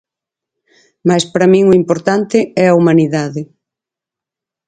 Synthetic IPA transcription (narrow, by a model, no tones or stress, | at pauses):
majspaɾamĩŋʊimpoɾt̪ant̪ɪɛɐumaniðaðɪ